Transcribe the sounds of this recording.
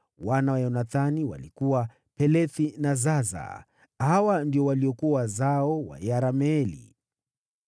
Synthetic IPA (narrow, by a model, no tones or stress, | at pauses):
wanawajɔnaθaniwa̰likuwa | pɛlɛθinazaza̰ | hawandiɔwaliɔkuawazaɔwa̰jaɾamɛɛlḭ